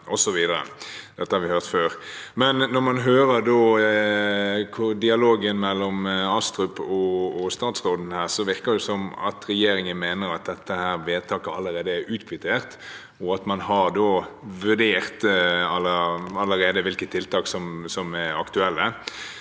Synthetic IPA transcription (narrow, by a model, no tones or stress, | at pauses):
ʔɔsɔʋiːd̪əɾə̰d̪̥ɛt̪ːəhɑɾʋɪhøːʁt̪føːɾmɛnːɔɾmɑnɦøːɾəɾd̪oː | kʰʊd̪ɪɑloːɡənmɛlːɔmɑst̪ɾʉpɔːst̪ɑːt̪sʁoːd̪n̩hæːʁsɔʋɪʁkəd̪ɛsɔmɑ̰t̪ɾɛjeːɾɪŋənmeːnəɾɑt̪̚d̪ɛt̪ːəhæːɾʋeːt̪ʰɑːkəɑlːəɾeːd̪əæɾʉːt̪kʰʋɪt̪ʰeːʁt̪ | ɔɑt̪mɑnhɑɾd̪oːʋʉɖeːʁt̪ɑləɑlːəɾeːd̪əʋɪlkət̪ʰːɪlt̪ɑːksɔmsɔmæɾɑkt̪ʉɛlːə